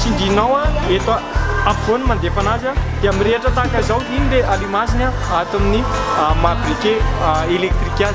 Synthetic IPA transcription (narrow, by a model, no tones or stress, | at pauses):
t͡sind̪inawaet̪aapvonimand̪efanazad̪̥eamireʈ͡ʂət̪akazawɦinid̪eʔalimasinaat̪aminimabirekʲeelek̚t̪rikʲaz